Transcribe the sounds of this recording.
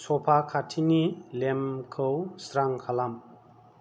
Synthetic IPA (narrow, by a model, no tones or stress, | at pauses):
sʰɔpʰakʰatʰinilemkʰɯwsɾaŋkʰalam